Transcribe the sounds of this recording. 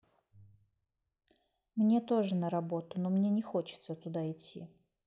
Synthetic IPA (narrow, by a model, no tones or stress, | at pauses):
mnʲe̞t̪o̞ʐɨnəɾɐbo̞t̪ʊnomnʲe̞nʲɪxo̞t͡ɕɪ̥t̪sət̪ʊd̪aɪtʲʰːḭ